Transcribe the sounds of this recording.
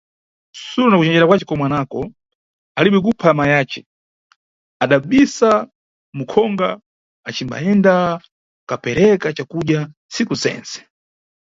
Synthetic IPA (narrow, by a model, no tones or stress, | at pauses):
suɾɔnakut͡ʃɛnd͡ʒɛɾakwat͡ʃɛkɔmwanakɔ | aliɓɛk̬upʰamajaːt͡ʃɛ | aɗaɓisa | mukʰɔŋɡaː | t͡ʃimba̰ɛnda | kapɛɾɛkat͡ʃakuɗjansikusɛ̰nt͡sɛ̥